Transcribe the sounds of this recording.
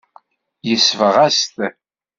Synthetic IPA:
jəsvəʁæst̪

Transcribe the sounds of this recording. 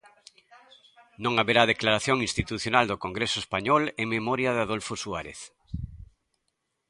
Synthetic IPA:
nõŋaβeɾað̞eklaɾaθjõŋĩnst̪it̪uθjonald̪okoŋɡɾesʊoespaɲɔlememɔɾjaðaðolfosuaɾḛθ

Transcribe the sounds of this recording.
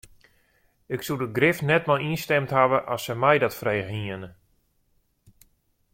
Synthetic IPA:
ɪksudəɡrɪfnɛtmalinstɛmtɦaʋəʔɔsəmɛjdɔtfrejɣiənə

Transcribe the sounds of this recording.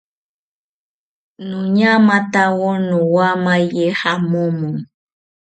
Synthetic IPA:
nũɲãmãt̪awɔnũwamajehamomũ

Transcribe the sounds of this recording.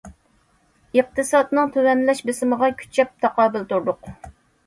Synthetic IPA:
əq̚t̪ʰɨsɑd̪nɨŋt̪ʰøwɛnlɛʃbɪsɪməʁɑkʲʰy̥t͡ʃʰɛp̚t̪ʰɑqɑːbɪlt̪uɾd̪ʊq

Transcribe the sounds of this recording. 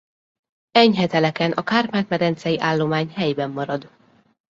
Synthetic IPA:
ɛɲɦɛt̪ɛlɛkɛnʔɒkaːrmaːt̪mɛd̪ɛnt̪sɛjiʔaːlːo̞maːɲhɛjbɛmːɒɾɒd̪

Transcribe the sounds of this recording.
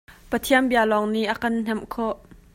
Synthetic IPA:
pət̪ʰiənbialɔŋniʔɐkɐnn̥ɛmkʰɔʔ

